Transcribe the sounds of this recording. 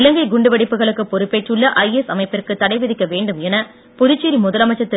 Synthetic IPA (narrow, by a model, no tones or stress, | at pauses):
ɪlɐŋɡɐɪɡʊɳɖɯʋɐɽɪpːɯɣɐɭɯkːɯpɔɾɯpːeːʈrɯɭːɐʔɐɪɛsɐmɐɪpːɪrkːɯt̪ːɐɽɐɪʋɪðɪkːɐʋeːɳɖɯmɛnɐ | pʊðɪt͡ʃːiːɾimʊðɐlɐmɐɪt͡ʃːɐt̪ːɪ